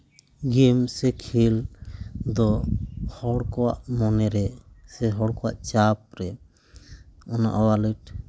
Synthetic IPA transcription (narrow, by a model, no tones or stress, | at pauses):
ɡimsɛkʰil | d̪ɔhɔɽkɔwa̰ʔmɔnɛɾɛsɛɦɔɽkɔwa̰ʔt͡ʃap̚ɾɛ | ɔna̰ʔɔwaləʈ̚